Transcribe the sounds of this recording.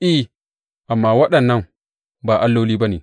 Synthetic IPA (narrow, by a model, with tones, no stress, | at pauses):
ʔiː˦ | ʔa˨mːaː˦wɐ˦ɗɐ˨nːɐ˦n | baː˨ʔa˦lːo˦liː˦ba˦ni˨